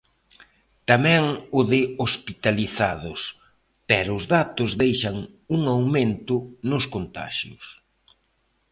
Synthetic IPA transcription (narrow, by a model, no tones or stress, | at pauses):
t̪amɛŋʊðɪospit̪aliθa̰ðʊs | pɛɾʊːzðat̪ʊzðejʃaŋ | uŋawment̪ʊnʊskont̪a̰ʃjʊ̰s